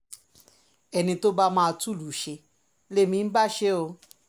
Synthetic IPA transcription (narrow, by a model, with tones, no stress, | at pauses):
ɛ˧nĩ˧to˦ba˦mãː˦˧tu˦˨lu˨˦ʃe˧ | le˦mĩ˧n̩˦ba˦˨ʃe˦o˧